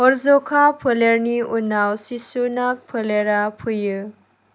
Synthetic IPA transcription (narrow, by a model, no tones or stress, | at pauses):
ɔɾzɔkʰapʰɯleɾniunawsisunak̚pʰɯleɾapʰujɯ